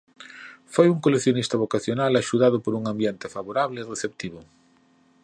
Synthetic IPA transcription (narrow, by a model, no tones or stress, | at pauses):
fojuŋkolekθjonist̪aβ̞okaθjonalaʃuðaðʊpoɾuŋãmbjent̪efaβoɾaβleireθep̚t̪iβʊ